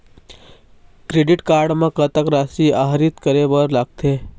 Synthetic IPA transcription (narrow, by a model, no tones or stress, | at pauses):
kɾeːɖɪʈkaːɾɖmãkət̪əkɾaːsiaːɦɾit̪kəɾebɔːɾlaːɡ̚t̪ʰe